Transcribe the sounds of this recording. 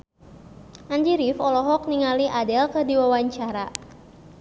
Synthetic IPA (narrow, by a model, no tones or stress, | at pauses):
ʔand͡ʒiɾifɔlɔɦɔk̚niŋaliʔadɛlkərdiwawaɲt͡ʃaɾa